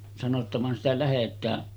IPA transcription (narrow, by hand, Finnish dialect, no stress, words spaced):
sɑno tːɑ ʋɑn sitæ læhetˑæː